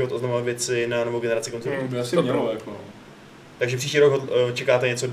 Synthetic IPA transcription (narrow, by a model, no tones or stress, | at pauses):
ɪvo̞t̪o̞znamvat̪vjɛt͡sɪnanovoɡɛnɛɾat͡sɪkonzɛbɪasɪɲɛljako | t̪aɡʒɛpr̥iʃciːɾoɡɦot͡ʃɛkaːt̪ɛɲɛt͡so